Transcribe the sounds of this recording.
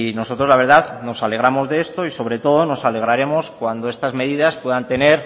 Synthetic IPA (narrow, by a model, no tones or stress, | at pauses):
no̞so̞t̪ɾolaβ̞e̞ɾðaðno̞sale̞ɣɾamo̞zðeest̪o̞iso̞β̞ɾe̞t̪o̞ð̞o̞no̞sale̞ɣ̞ɾaɾe̞mo̞skwand̪oe̞st̪azme̞ðiðaspwe̞ðant̪e̞ne̞ɾ